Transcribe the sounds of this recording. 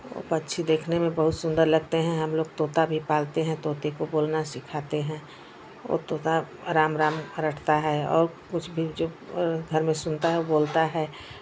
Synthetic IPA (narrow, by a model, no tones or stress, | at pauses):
o̰ːpətːʃʰid̪eːkʰnemẽbəɦʊt̪sʊ̃nd̪əɾləɡ̚t̪eɦɛ̃ɦɐmloːɡ̚t̪oːt̪abʱipaːlt̪eɦɛ̃t̪oːt̪ekoboːlnasɪkʰaːt̪eɦɛ̃ | o̰ːt̪oːt̪a | ɾaːmɾaːmɾəʈʰt̪aɦɛɔ̰ːɾ | kʊt͡ʃʰbʱid͡ʒoːɡʱəɾmẽsʊnt̪aɦɛoboːlt̪aɦɛː